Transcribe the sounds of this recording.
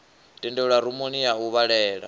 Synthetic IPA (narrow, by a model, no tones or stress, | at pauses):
dʼindɛuɺaɾumoniauβaɺɛːɺa̰